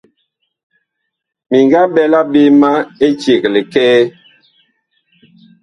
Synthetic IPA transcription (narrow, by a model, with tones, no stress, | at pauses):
mi˨ŋɡa˦ɓɛ˦la˦be˦ma˦e˦t͡ʃje˨k̚le˨kɛː˦